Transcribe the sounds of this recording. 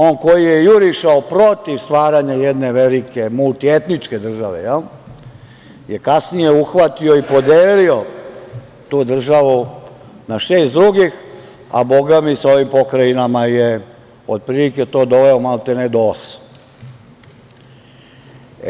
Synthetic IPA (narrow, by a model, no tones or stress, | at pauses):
oːnko̞jijejuɾiʃaopɾo̞t̪iʋst̪ʋaːɾaɲajɛd̪neʋelike̞mult̪iet̪nit͡ʃked̪r̩ʒaʋḛjɛl | jekasnijeuxʋat̪io̞ipo̞d̪eːlio̞ | t̪uːd̪r̩ʒaʋu | naʃeːst̪d̪ɾuɡix | a̰bo̞ɡamisao̞ʋimpo̞kɾajinamaje | o̰d̪̚pɾiliket̪o̞ːd̪o̞ʋeomalt̪ened̪oːs